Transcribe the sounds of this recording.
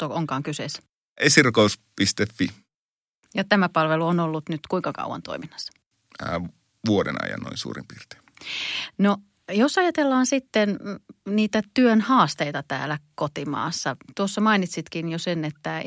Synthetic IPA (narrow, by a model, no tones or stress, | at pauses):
t̪ooŋkɑːŋkyses | ʔesirukouspist̪efːi | jɑt̪æmæpɑlʋeluonolːut̪nyt̪kuiŋkɑkɑ̰uwɑ̰nt̪o̰iminːɑ̥sːɑ̥ | ʋuodḛnɑ̰jɑ̰nːo̰insṵːrḭmpiːrt̪e̥ | no | josɑjɑt̪elːɑːnsit̪ːenniːt̪æt̪yønhɑːst̪eit̪ɑt̪æ̰ːlækot̪imɑ̰ːsːɑt̪uosːɑmɑinit̪sit̪kinjosenet̪ːæ